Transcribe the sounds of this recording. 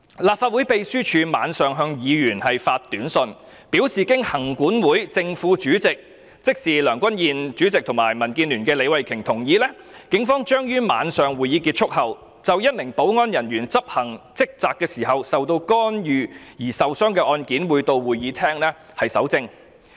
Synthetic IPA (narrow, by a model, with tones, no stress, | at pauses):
laː˨p̚faː˧t̚wuː˨˥jpe˧jsyː˥t͡ʃʰyː˨˧ma̰ː˨˧nsœː˨ŋɦœː˧ŋjiː˨˧jyː˨˩nhɐ˨jfaː˧t̚t̪ːyː˨˥nsɵ˧n | piː˨˥wsiː˨kɪ˥ŋhɐ˨˩ŋkuː˨˥nwuː˨˥jt͡sɪ˧ŋfuː˨˥t͡ʃyː˨˥t͡sɪ˨k̚ | t͡sɪ˥k̚siː˨lœː˨˩ŋkʷɐ˥njiː˨nt͡ʃyː˨˥t͡sɪ˨k̚t̪ʰʊ˨˩ŋmaː˨˩jmɐ˨˩nkiː˧nlyː˨˩nkɛː˧le˨˧jwɐ˨jkʰɪ˨˩ŋt̪ʰʊ˨˩ŋjiː˨˧lɛː˥ | kɪ˨˥ŋfɔː˥ŋt͡ʃœː˥ŋjyː˥ma̰ː˨˧nsœː˨ŋwuː˨jiː˨˧kiː˧t̚t͡ʃʰʊ˥k̚hɐ˨w | t͡sɐ˨wjɐ˥t̚mɪ˨˩ŋpo˨˥wŋɔː˥njɐ˨˩nɥyː˨˩nt͡sɐ˥p̚hɐ˨˩ŋt͡sɪ˥k̚t͡saː˨kːɛː˧siː˨˩ɦɐ˨wsɐ˨wt̪o˧wkɔː˥njyː˨˧jiː˨˩sɐ˨wsœː˥ŋkɛː˧ʔɔː˧nkiː˨˥nwu˨˧jt̪o˧wwuː˨˩jːiː˨˧t̪ʰɛː˥ŋlɛː˥ | hɐ˨jsɐ̰˨˥wt͡sɪ˥ŋ